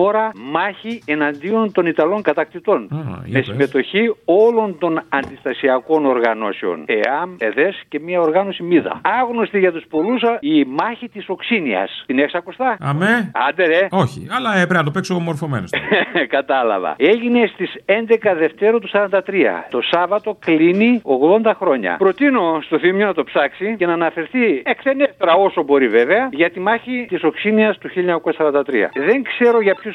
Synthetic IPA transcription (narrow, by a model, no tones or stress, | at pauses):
o̞ɾɐmɐçienɐnd̪io̞nt̪o̞nit̪ɐlo̞ŋkɐt̪ɐk̚t̪it̪o̞nme̞siime̞t̪o̞çio̞lo̞nt̪o̞nɐnd̪ist̪ɐsiɐko̞no̞ɾɣɐno̞̰seo̞̰nḛɐme̞ðe̞sce̞miɐo̞ɾɣɐno̞simiðɐ̰ɐɣno̞st̪iʝɐt̪uspo̞lusimɐçit̪iso̞ksiniɐ̰st̪ineksɐkost̪ɐɐmeɐ̰nd̪eɾe̞o̞çḭɐlɐepɾeɐnɐt̪opeksomoɾfo̞menoskɐt̪ɐlɐ̰vɐ̰e̞ʝine̞st̪ise̞nd̪e̞kɐðe̞ft̪e̞ɾot̪usɐɾɐnd̪ɐt̪ɾiɐ̰t̪o̞sɐvɐt̪o̞klinio̞ɣðo̞nd̪ɐxɾo̞ɲɐ̰pɾo̞t̪ino̞st̪o̞θimjonɐt̪o̞psɐksice̞nɐːnɐfe̞ɾθiekseneft̪eɾɐo̞so̞bo̞ɾive̞ve̞ɐʝɐt̪imɐçit̪iso̞ksiniɐst̪uçiloɲɐkosɐsɐɾɐnd̪ɐt̪ɾḭɐ̰ðe̞ŋkse̞ɾo̞ʝɐpços